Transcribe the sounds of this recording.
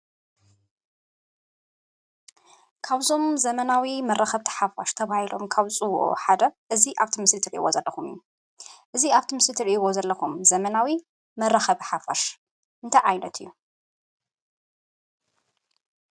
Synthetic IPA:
kʰaβzo̞mzɐmɐnawimɐrːɐxɐβt̪ʰħafaʃt̪ʰɐβahilo̞̰mkʰaβt͡sʼɨwo̰ʔo̰ħad̪ɐʔɨziʔaβt̪ʰimɨslɨt̪ʰɨɾʔḭwo̰zɐlːɐxumɨ̰jːu | ʔɨziaβt̪ʰimɨslɨt̪ʰɨɾʔiwozɐlːɐxumzɐmɐnawi | mɐrːɐxɐβħafaʃ | ʔɨnt̪ʰɐjʕajnɐt̪ʰɨjːu

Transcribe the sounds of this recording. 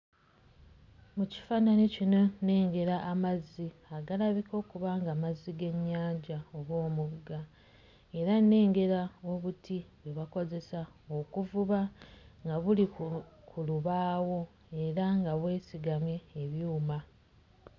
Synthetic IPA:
muci̥faːnanicino̞ne̞ːŋɡe̞ɾaʔːmazːi | aɡalaβikʰo̞ːkuβaŋɡamazːiɡe̞ɲːaːɲɟaoβwo̞ːmuɡa | e̞ɾane̞ːŋɡe̞ɾao̞βutiweβako̞ze̞saokuvuβaŋɡaβulikʰuluβaːwo̞ | e̞ɾaŋɡaβwe̞ːsiɡamje̞ːβjuːma

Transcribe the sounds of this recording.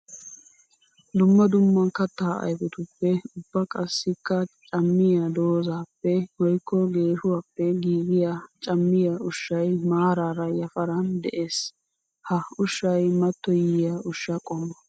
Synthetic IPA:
d̪ʊmːɐd̪ʊmːɐnkɐt̪ːaːʔɐ̰jkɔt̪ʊpːɛʊbːɐkʼɐsːɪkːɐt͡ʃʼɐmːɪjad̪o̞ːzaːpːɛwɔjkːɔɡe̞ːʃʊwaːpːɛɡiːɡɪjat͡ʃʼɐmːɪjaʊʃːɐjmaːɾaːɾɐjɐfɐɾɐnd̪ɛʔe̞ːs | hɐʊʃːɐjmɐt̪ːɔjɪjaʊʃːɐkʼɔmːɐ

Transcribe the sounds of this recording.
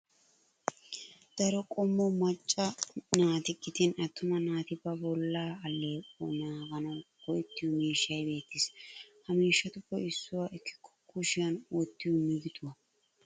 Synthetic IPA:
d̪̥ɐɾɔkʼɔmːɔmɐt͡ʃʼːɐnaːt̪ɪkʼːɪt̪ɪnɐt̪ːʊmɐnaːt̪ɪbɐbɔlːaːɐlːeːʔɔnaːɡɐnɐwkɔjɪt̪ːɪjʊmiːʃːɐjbe̞ːt̪ːɪshɐmiːʃːɐt̪ʊbːɔɪsːʊwɐʔɪkʰːɪ̥kʰːɔ̥kːʊʃɪjɐnwɔt̪ːɪjʊmɪɡɪt̪ʊwɐ

